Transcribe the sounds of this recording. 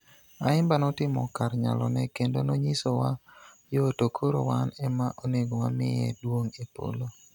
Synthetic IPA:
aɪmbanɔtɪmɔ̰karɲa̰lɔnɛkendonoɲisowa | jotokʰoɾo̰wanɛmaʔoneɡowamɪɛ̰dwoŋepo̰lo

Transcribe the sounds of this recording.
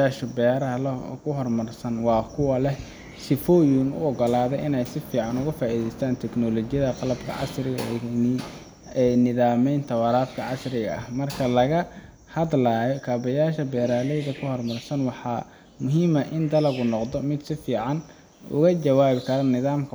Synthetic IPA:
aːʃɔbɛːɾɐlɔ̰kʰʊɦɔrmɐrsɐnwɑːkʰʊwɐlɛh | sɪfɔːjuːnʊ̰ɔɡɔlaːðɛʔɪnɛjsɪfiːʕɑnʊɣɐfaːʔiːðɛjst̪ʰaːnt̪ʰɛknɔlɔːt͡ʃɪjɐðɐqɑlɐbkʰɐ̰ʕɑ̰srɪɣɐ | nɪðaːmɛjnt̪ʰɐwɑɾaːfkʰɐʕɑsrɪɣɐʔɐhmɐrkʰɐlɐɣɐ | hɐd̪laːjɔkʰaːbɐjaːʃɐbɛːɾaːlɛjðɐkʰʊhɔrmɐrsɐnwɑħɑ | mʊɦiːmɐʔɪnd̪ɐlɐɣʊnɔqd̪ɔmɪd̪sɪfiːʕɑn | ʔʊ̰ɣɐt͡ʃɐwaːβɪkʰɐɾɐnɪðaːmkʰɐ

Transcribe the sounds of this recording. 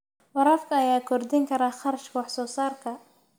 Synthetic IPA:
wɑɾɑːfkʰɐɐjaːkʰɔrd̪ɪŋkʰɐɾaːχɑɾɐʃkʰɐwɑħsɔːsaːrkʰɐ

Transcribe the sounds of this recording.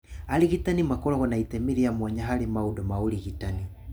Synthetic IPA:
aɾiɣitanimakɔɾɔɣɔnaitɛmiɾiamwɔɲaɦaɾemaudɔmaoɾiɣitani

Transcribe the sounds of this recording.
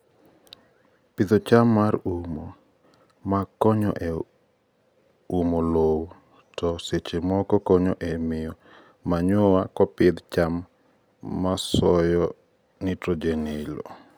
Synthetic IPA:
pid̪ot͡ʃamːaɾumo | makɔɲɔ̰ʔe | umolow | tɔset͡ʃemɔkɔkɔɲɔʔemɪjɔ | maɲʊwakɔpɪd̪t͡ʃamː | asɔjɔ | nitɔd͡ʒenilo̰

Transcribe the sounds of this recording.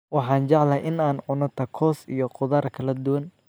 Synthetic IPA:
wɑħɑːnt͡ʃɑʕlɐʔɪnaːnʊnɔt̪ʰɐkʰɔːsḭjɔqʊðaːrkʰɐlɐd̪ʊwɐn

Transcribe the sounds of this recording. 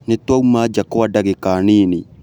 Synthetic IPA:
netwaumaːd͡ʒakoadaɡekaːniːni

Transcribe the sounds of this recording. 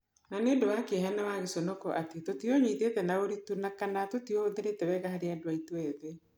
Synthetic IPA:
nanendowakeɦɛnawaɣesonɔkɔʔatetotioɲwiːtetɛnaoɾitunakanatotioðeɾetɛwɛɣahaɾeɛdoaitoɛðe

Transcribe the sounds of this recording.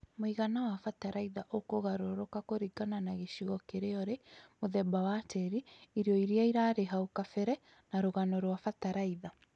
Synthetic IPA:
moiɣanawafataɾaiðaʔokoɣaɾoɾokakoɾiɡananaɣeʃiɣɔkeɾeɔɾemoðɛbawatɛɾiiɾjɔiɾiaiɾaɾeɦaokafɛɾɛ | naɾoɣanɔɾwafataɾaiða

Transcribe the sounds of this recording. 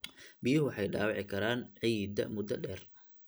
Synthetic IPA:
bɪjʊɦʊwɑħɑjɖa̰ːwɑʕɪkʰɐɾaːnʕiːd̪ɐ̰mʊd̪ɐɖɛːr

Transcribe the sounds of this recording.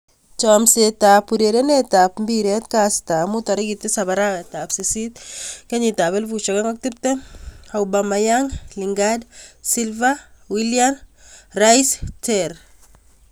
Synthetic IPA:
t͡ʃɔmsetapːuɾeɾenetapmbiɾɛt̪kastamutaɾeɡit̪ːesaβaɾawɛtapsesit̪̚keɲitaβɛlvut͡ʃɔkaŋɡak̚tip̚tɛawbamajaŋliŋɡadsilvawiljanrajstɛɾ

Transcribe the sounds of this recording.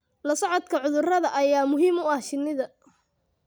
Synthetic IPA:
lɐsɐʕɔd̪kʰɐʕʊðʊrɐðɐʔɐjaːmʊɦiːmʊɐht͡ʃɪnːɪðɐ

